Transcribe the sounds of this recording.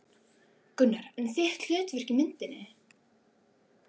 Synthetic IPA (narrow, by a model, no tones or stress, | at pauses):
kʏnːaɾ̥ɛnθjɛht̪ljœːt̪vɪr̥cɪmɪnt̪ɪnːɪ